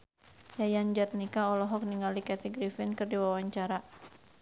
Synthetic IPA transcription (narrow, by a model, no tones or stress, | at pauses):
jajand͡ʒat̪̚nikaɔlɔɦɔk̚niŋalikat̪iɡɾifɪnkɨrdiwawaɲt͡ʃaɾa